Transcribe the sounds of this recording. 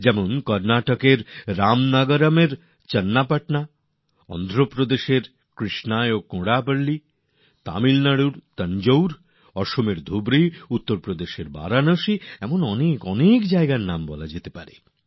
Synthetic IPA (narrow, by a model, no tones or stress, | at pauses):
d͡ʑɛmonkɔɾnaʈokeɾːamnaɡaɾameɾ | t͡ɕənːapaʈna | ɔ̰nd̪ʱɾopɾod̪eʃeɾ | kɾiʃnaeokõɽapəɽli | t̪a̰milnaɽuɾt̪ənd͡ʑowɾ | ɔʃomeɾd̪ʱubɾiut̪ːoɾpɾod̪eʃeɾba̰ɾanəʃiɛmonɔnekɔnekd͡ʑaeɡaɾnambɔlad͡ʑet̪epaɾḛ